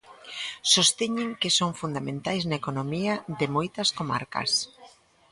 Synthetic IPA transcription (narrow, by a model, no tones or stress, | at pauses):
sost̪eɲɪŋkɪsoŋfund̪amẽnt̪ajznaekonomiɐðɪmojt̪ɐskoma̰ɾkɐ̰s